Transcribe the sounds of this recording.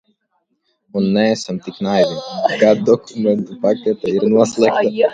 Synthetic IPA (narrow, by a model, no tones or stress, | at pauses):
unːɛːsamt̪ʲiknajvʲikad̪d̪ɔkʰumʲɛnt̪upakʲɛt̪aiɾnuɔslˠɛk̚t̪a